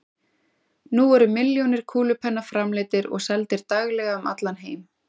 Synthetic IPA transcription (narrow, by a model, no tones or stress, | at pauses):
nuɛɾʏmɪljownɪɾ̥kʰuːlʏpʰɛnːafɾamlɪːt̪ɪɾɔ̰ɣsɛlt̪ɪɾt̪aɣlɛːɣaʏmʔa̰t̪lanɦeːjm